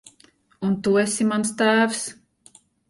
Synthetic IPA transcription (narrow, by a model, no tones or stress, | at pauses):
unt̪uesʲimanst̪æːvs